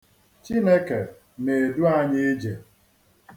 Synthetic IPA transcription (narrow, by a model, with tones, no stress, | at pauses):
t͡ʃi˦ne˦ke˨ | ne˨e˨du˦a˦ɲɪ˦d͡ʒe˨